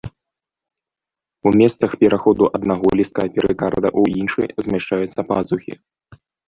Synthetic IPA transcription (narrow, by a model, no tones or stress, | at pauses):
umʲɛst̪sɐxpʲɛɾʔaxɔd̪uʔɐd̪naɣɔlʲist̪̚kapʲɛɾɨkaɾd̪ɐ̰ʔuinʂɨ̰jzʲmʲaʂt͡ʂajut̪sːɐpazuxʲḭ